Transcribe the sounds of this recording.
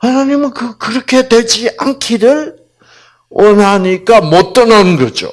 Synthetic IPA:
hanaɲimɯnkɯkɯɾʌkʰe̞dwe̞ɭd͡ʑiʔankʰiɾɯɭ | wʔʌnɦaɲik͈amʌt͈ʌnʌnɯnɡʌd͡ʑo̰

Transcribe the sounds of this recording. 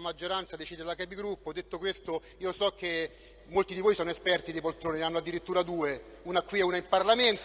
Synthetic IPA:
mad͡ʒːoɾant̪sad̪et͡ʃiːd̪edlakɛbiɡɾupːod̪ːet̪ːokwest̪o | iːosɔkːe | mːolt̪id̪ivojsɔːnoespɛrt̪id̪ep̬olt̪ɾoːnineanːoad̪ːiɾit̪ːuːɾad̪uːeuːnakwiɛuːnaimparlament̪

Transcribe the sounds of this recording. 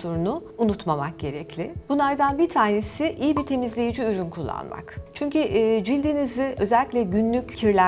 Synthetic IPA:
so̞ɾunu | unut̪mamak̚ɟe̞ɾɛclʲɪb̥unˠaɾd̪anbiɾt̪ʰaːne̞siʔijibit̪ʰe̞mizlʲe̞jid͡ʒiyɾynkʰulˠːa̰nma̰kt͡ʃʰyɲcyʔːd͡ʒilʲd̪iniziʔø̞zɛlʲːiclʲɛɟynlʲyccʰiɾlʲæ

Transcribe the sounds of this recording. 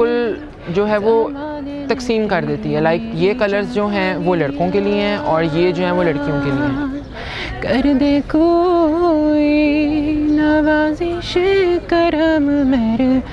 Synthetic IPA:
ʊl | d͡ʒoːɦɛʋo | t̪ɐksiːmkɐɾd̪eːt̪iɦɛlaːɪkjekɐləɾzd͡ʒoːɦɛ̃ʋoːlɐɽkõkelieɦɛ̃ʔɔːɾjed͡ʒoːɦɛ̃ʋolɐɽkijõkelieɦɛ̃ | kɐɾd̪eːkʰo | i | naʋaːziʃkɐɾəmmeɾ

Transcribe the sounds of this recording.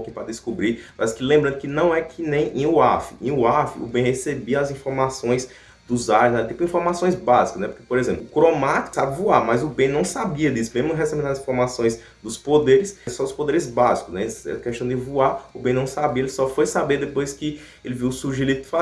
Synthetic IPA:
kipɾɐd̪ɪskubɾipaaskɪlẽmbɾɐ̃nd̪ʊkɪnɐ̃w̃ɛkʰɪnẽj̃ẽj̃ʊafɪẽj̃ʊafɪ̰ʊbẽj̃hesebiɐɐzĩfoɾmasõj̃s | d̪ʊzanɛt̪ipʊĩfoɾmasõj̃zbazikɐznɛpo̥ɾkepoɾezẽmplʊkɾomat̪i̥ksabɪvuaɾmɐjzʊbẽj̃nɐ̃w̃sabiɐd̪isʊ̥mezmʊ̃ɦesẽmĩd̪azĩfoɾmasõj̃z | d̪ʊspod̪eɾɪssɔd̪ʊspod̪eɾɪzbazikʊznɛsɛ̰kɛʃt̪ɐ̃d̪ɪvuaɾʊbẽj̃nɐ̃w̃sabiɐelɪsɔfojsabeɾd̪epojskɪ | elɪviwʊsuɾʒilid̪ʊd̪ɪfa

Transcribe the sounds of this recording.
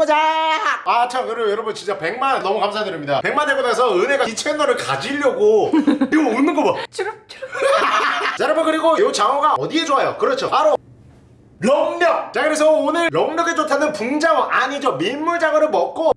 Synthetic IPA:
od͡ʑa | at͡ɕʰamjʌɾjʌɾʌbunt͡ɕint͡ɕ͈ape̞ŋmanːʌmukamsʰajadɯɾimɲidape̞ŋmantemonasʰʌɯne̞ɡait͡ɕʰenʌɾɯɭkad͡ʑiʎːʌɡoiɡoonːɯnŋɡʌbat͡ɕ | t͡ɕaɾabonkɯɾiɡojot͡ɕaŋoɡaʌdie̞d͡ʑoajokɯɾʌt͡ɕʰopaɾo | ɾʌŋɲʌk̚t͡ɕakɯɾes̬ʰʌonɯɭːʌŋɲʌɡet͡ɕotʰanɯnpuŋd͡ʑaŋɯʔaɲid͡ʑomimːuɭd͡ʑaŋɯɾɯɭmʌk̚k͈o

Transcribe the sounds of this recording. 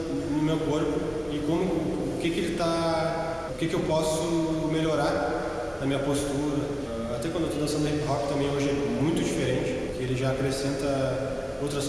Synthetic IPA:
nʊmewkoɾpʊ | ɪkõmʊː | kɪkɪelɪt̪a | ʊkɪkɪewpɔsʊmeloɾaɾ | nɐmĩɲɐpost̪uɾɐ | at̪ɛkwɐ̃d̪oewt̪od̪asɐ̃d̪ɐhẽkɦɔkɪ̥t̪ɐ̃mbẽj̃oʒɪɛmũj̃t̪ʊd͡ʒifeɾẽnt͡ʃɪ̥kɪelɪʒaːkɾesẽnt̪ɐ | owt̪ɾɐs

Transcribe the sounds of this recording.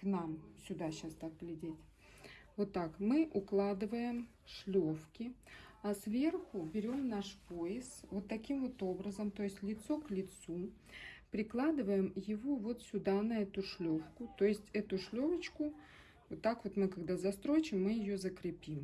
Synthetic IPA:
knamsʲʊd̪aɕast̪ak̚ɡlʲɪdʲetʲ | vo̞t̪ːakmɨʔʊklˠad̪ɨvəjɪm | ʂlʲofkʲɪɐsvʲe̞rxʊbʲɪɾʲo̞mnaʂpojɪskvo̞t̪ːɐkʲimvo̞t̪o̞bɾəzəmt̪o̞jɪsʲtʲlʲɪt̪so̞klʲɪt̪su | pɾʲɪklˠad̪ɨvəjɪmjɪvovo̞t̪sʲʊd̪anɐɛt̪ʊʂlʲo̞fkʊt̪o̞jɪsʲtʲɛt̪ʊʂlʲovət͡ɕkʊ | vot̪ːakvo̞t̪mɨkaɡd̪azɐst̪ɾo̞t͡ɕɪmːɨjɪjozəkɾʲɪpʲim

